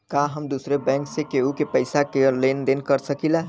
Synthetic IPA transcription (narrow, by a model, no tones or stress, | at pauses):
kaɦəmd̪uːsɾebɛ̃ŋksekeukepəɪsakelend̪enkəɾsəkila